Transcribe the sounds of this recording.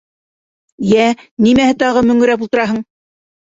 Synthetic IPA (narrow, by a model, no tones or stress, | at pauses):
jænimæhɘt̪ɑʁɤmɵ̆ŋɵ̆ɾæp̬ulˠt̪ɤ̆ɾɑɦɤɴ